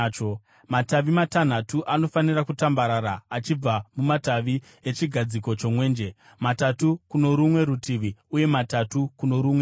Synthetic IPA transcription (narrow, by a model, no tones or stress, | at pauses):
t͡ʃo | mataʋimatan̤atuʔano̞fanirakutambaɾaɾaːt͡ʃib͡vamumataʋi | et͡ʃiɡʱad͡ziko̞t͡ʃo̞mwe̞ːnd͡ʒe̞ | matatukuno̞ɾumwe̞ɾutʰiʋiuje̞matatukuno̞ɾumwe